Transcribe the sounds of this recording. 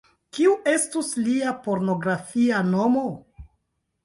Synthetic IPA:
kiuʔe̞stusliapo̞ɾno̞ɡɾafiano̞mo

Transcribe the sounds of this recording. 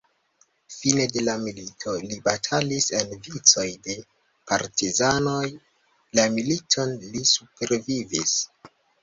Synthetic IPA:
fine̞de̞lamilitʰo̞libatʰalisenvit͡so̞jde̞ | pa̰ɾtizano̞j | lamilitʰo̞nlisupe̞ɾvivis

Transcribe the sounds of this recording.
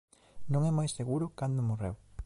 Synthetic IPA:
nõŋɛmajsseɣuɾʊkand̪omorḛw

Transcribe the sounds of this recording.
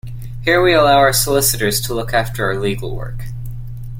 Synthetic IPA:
hiɹwiəlaʊəɹsəlɪsɨɾə˞z̥tʰəlʊkʰæftə˞aə˞liɡl̩ˠwɜ̰˞k

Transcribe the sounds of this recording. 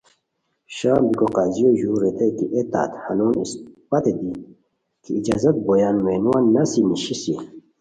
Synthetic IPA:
ɕaːmbikoqaːzijoʑuːɾet̪ɐjt̪iʔet̪a̰ːt̪hanoːnḭspɐt̪ed̪i | kʰiid͡ʑaːzɐt̪̚bojaːnmenuwaːnːɐsimiɕisi

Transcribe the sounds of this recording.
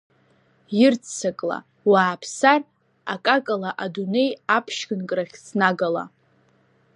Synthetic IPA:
jɪrt͡sʰt͡sʰakʼla̰ | waːpʰsar | a̰kʼakʼalaʔadune̞japʰʃɡɨnkʼraχʲsʰnaɡala̰

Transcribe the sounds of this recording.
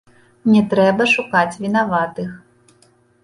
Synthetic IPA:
nʲɛt̪ɾɛbɐʂukat͡sʲvʲinavat̪ɨx

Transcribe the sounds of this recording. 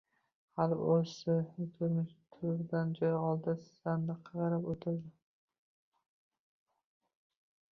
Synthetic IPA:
halposɪt̪ʰʊɾmɪʃt̪ʰʊɾd̪and͡ʒɒjɒlˠd̪ɪssand̪ɪqʰɑʁɑɾapot̪ʰɪɾd̪ɪ

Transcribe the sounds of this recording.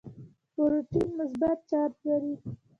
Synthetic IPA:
poɾoʈinmʊsbat̪̚t͡ʃɑɾt̪laɾi

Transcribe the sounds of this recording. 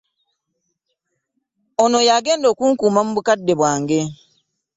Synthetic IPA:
onojaːɡeːndoːkuŋkumamuβukadːeβwaːŋɡe

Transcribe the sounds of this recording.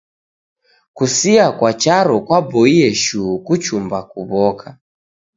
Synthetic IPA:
kusiakwat͡ʃaɾɔkwabɔiɛʃukut͡ʃumbakuβɔkʰa

